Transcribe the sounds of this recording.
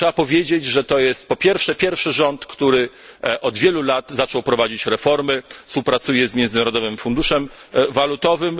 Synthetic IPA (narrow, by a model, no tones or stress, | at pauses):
ʂɛapɔvʲjed͡ʑed͡ʑʐɛt̪ɔjɛst̪̚pɔpʲjɛɾfʂɛpʲjɛɾfʂɘʐɔnt̪kt̪uɾɘ | ʔɔd̪vʲjɛlulad̪zat͡ʂɔwpɾɔvad͡ʑit͡ɕɾɛfɔɾmɘfspuwpɾat̪sujɛzmʲjɛnd̪zɘnaɾɔd̪ɔvɘmfund̪uʂɛmvalut̪ɔvɘm